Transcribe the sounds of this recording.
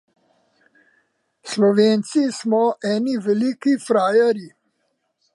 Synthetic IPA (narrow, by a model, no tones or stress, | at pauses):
slɔʋeːnt̪sismɔʔɛːniʋɛliːkifɾaːjaɾi